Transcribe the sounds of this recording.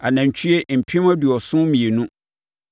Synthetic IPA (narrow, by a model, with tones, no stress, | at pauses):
a˨nã˨ɲ˨t͡ɕʰi˦e˦m̩˨pʰɪ̃˦m˦ɔ˦du˨ɔ˨sʊ̃˦mĩ˨e˨nũ˦